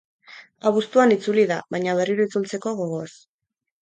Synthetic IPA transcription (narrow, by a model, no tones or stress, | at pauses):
aβust̪uanit͡suliðaβajɲaβ̞e̞riɾuit͡sult͡se̞ko̞ɣo̞ɣo̞s